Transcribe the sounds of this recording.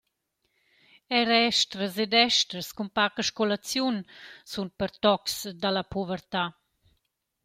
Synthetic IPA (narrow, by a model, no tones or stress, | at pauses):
ɛɾɛʃtɾəsed̪ɛʃtɾəskumpakəʃkɔlat͡sjunsunpəɾt̪ɔksd̪alapuvəɾt̪a